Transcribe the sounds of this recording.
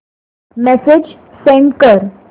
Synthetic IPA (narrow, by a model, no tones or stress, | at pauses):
mɛsed͡ʑ | sẽɳʈkəɾ